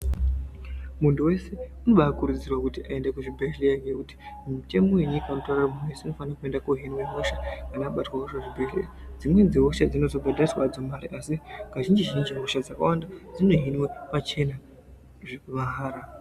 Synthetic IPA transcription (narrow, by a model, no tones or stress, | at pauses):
muntʰuwe̞se̞unoɓaːkuɾud͡zirwakutiʔaendakuʐibʱeɦlekekuti̥ | miute̞mo̞we̞ɲikaunotararamunuweseuno̞fanakue̞ndakoɦinweɦoʃakanaɓatwaɦoʃaʐibʱelḛd͡zimwe̞d͡ziɦoʃad͡zino̞zobʱadʱariswad͡zomaɾiʔasiɡaʒind͡ʒiʒind͡ʒiɦo̞ʃad͡zaka̰wandad͡zino̞ɦinwe̞pat͡ʃe̞na | ʐʋaɦaːɾa